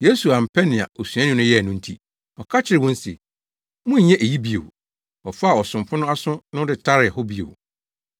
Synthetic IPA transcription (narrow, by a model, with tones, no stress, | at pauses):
je˦su˨a˨m̩˨pʰɛ˦nɪ̃˨a̰˨ʔo˨su˨ã˦nɪ̃˦nʊ̃˦jɛ˦˨nʊ̃˦n̩˦tʰi˦ | ɔ˨kʰa˦t͡ɕʰɪ˦ɾɪ˨wɔ̃˦n̩˦sḭ˨ | mʊ̃˦ɲ˨ɲɛ̃˦ʔe˨ji˦bi˦o̰˨ | ɔ˨fa˦˨ɔ˨sʊ̃˨m˨pʰʊ̃˦nʊ̃˦a˦sʊ̃˦nʊ̃˦dɪ˨tʰa˦ɾɪ˨hʊ˦bi˦o̰˨w